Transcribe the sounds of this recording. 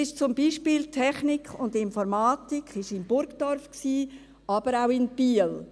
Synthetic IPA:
ɪʃt͡sʊmbiːʃpiːltʰɛχnikχʊndɪnfɔɾmaːtikʰɪʃɪmb̥ʊɾkd̥ɔɾfksiː | ʔɑb̥əɾaʊɪnb̥iəl

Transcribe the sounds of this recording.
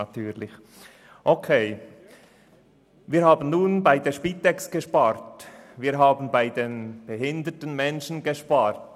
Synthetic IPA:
ɑtʰyːlɪç | ʔokʰeː | viːɾhaːbən̩nuːnbaɪdeʃpiːtɛksɡ̥əʃpaːɾtviːɾɦaːbn̩baɪdeːnb̥ɛɦɪndətən̩mɛnʃn̩ɡeʃpaːɾt

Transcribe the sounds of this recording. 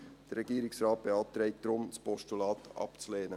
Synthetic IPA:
d̥ɛɾɛɡiːɾɪksɾɑːt̪̚b̥eɑlp̚t̪ɾɛɪd̥̪ɾʊmspɔʃtulɑːt̪ʔɑ̰pt͡suleːnə

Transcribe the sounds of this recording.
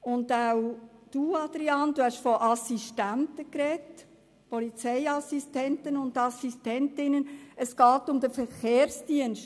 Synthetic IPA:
ʊndawd̥uːɑd̥̪ɾiɑːnd̥̪uhæʃfɔʔɑsistæntəkɾɛt | pɔlit͡sɛɪɑsistɛntənʊndɑsistɛntɪnənəsɡ̥ɑːtʊmd̥̪əfəɾχeːɾsd̥iənʃt

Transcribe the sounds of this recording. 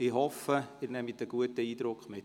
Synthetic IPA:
ɪhɔfəɪnɛmit̪əɡ̥uətəiːd̪ɾʊkχmɪt

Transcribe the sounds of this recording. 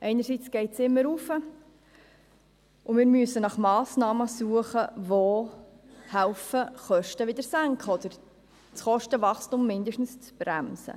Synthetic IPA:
ʔɛɪnəɾsit͡sɡ̥ɛɪtsɪmːəɾufə | ʔʊmɪːɾmyəsənɑχmɑːsnɑːməsuəχəvoː | hælfəχœʃtəʋɪd̪əɾsæŋkχəɔd̪əɾ | t͡sχɔʃtəvɑχstumːɪnd̪əʃtn̩st͡sb̥ɾæ̰msə̰

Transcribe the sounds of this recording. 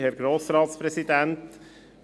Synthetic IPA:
hɛɾɡɾoːsɾɑːt̪spɾɛsid̪ɛnt

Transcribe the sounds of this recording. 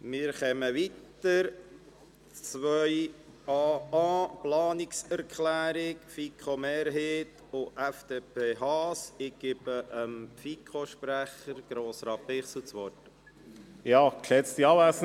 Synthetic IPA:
mɪːɾχɛməʋit̪ | əɾ | t͡sʋœʏ | ɑɑːplɑːnɪksɛɾkʰlæːɾɪkfikχomeːɾɦeːt | ʊʔæfd̥̪eːpʰeːɦɑːsɪɡ̥ɪb̥əʔəmfikʰoʃpɾæχəɾɡ̥ɾoːsɾɑːpɪχsut͡sʋɔt | jɑːkʃɛt͡st̪iɑæs

